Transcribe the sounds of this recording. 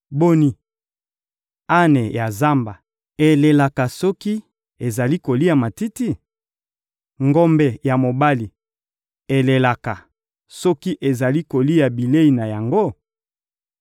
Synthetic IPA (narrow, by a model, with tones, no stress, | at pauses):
bo˦ni˨ | a˦ne˨ja˨za˦mba˨ | e˨le˨la˨ka˨sɔ˦ki˦ | e˨za˨li˦ko˨li˦a˨ma˨ti˦ti˦ | ŋɡɔ˦mbe˨ja˨mo˨ba˦li˨ | e˨le˨la˨ka˨ | sɔ˦ki˦ʔe˨za˨li˦ko˨li˦ja˨bi˨le˦i˨na˨ja˨ŋɡo˦